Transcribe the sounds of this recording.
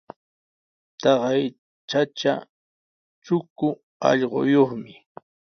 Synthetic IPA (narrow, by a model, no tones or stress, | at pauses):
t̪ɑɢɑj | t͡ʃat͡ʃa̰ | t͡ʃʊkʊ | ɑ̰ʎɢo̰joχmɪ